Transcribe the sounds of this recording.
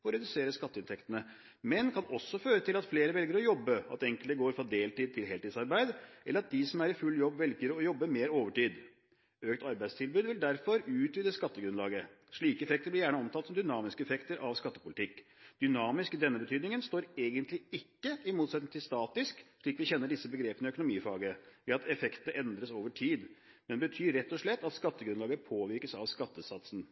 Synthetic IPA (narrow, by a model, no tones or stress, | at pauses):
ɔɾɛd̪ʉseːɾəskɑt̪ːəɪnt̪ʰɛkt̪ənə | mɛnkʰɑnɔsːɔføːɾət̪ʰɪlɑt̪fleːɾəʋɛlɡəɾɔjɔbːəɑ̰t̪ɛŋkəlt̪əɡoːɾfɾɑd̪eːlt̪ʰiːd̪̚t̪ɪlɦɛlt̪ɪːsɑɾbæɪd̪ʔɛləɾɑt̪̚d̪ɪsɔmæɾɪfʉlːjɔbːʋɛlɡəɾɔjɔbːəmeːɾoːʋəʈiːd̪ | øːkt̪ʰɑɾbæɪst̪ʰɪlbʉːd̪ʋɪld̪æɾfɔɾʉːt̪ʋɪːd̪əskɑt̪ːəɡɾʉnlɑːɡə | ʂɭiːkəɛfɛk̚t̪əɾblɪɾjæːɳəɔmt̪ʰɑt̪sɔmd̪ʏnɑːmɪskəɛfɛkt̪əɾʔɑʋskɑt̪ːəpʊlɪt̪ɪkːd̪̥ʏnɑːmɪskd̪ɛnːəbət̪ʰyːd̪nɪŋənst̪oːɾeːɡənt̪ʰlɪɪkːəɪmuːt̪sɛt̪nɪŋt̪ʰɪlst̪ɑːt̪ɪskʂɭiːkʋɪçɛnːəɖɪsːəbəɡɾeːpənəœkʊnʊmiːfɑːɡəʋɛɑt̪ʰɛfɛkt̪əʔɛnd̪ɾəsoːʋəʈʰiːd̪ | mɛnbət̪ʰyːɾɛt̪ːɔʂɭɛt̪ːɑt̪skɑt̪ːəɡɾʉnlɑːɡəpʰoːʋɪɾkəsɑʋskɑt̪ːəsɑt̪sn̩